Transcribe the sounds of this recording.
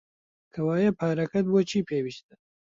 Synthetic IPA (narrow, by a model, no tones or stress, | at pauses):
kʰɐwaːjɐpʰaːɾɐkɐt̪̚bot͡ʃʰiːpʰeːwiʃt̪̚ɐ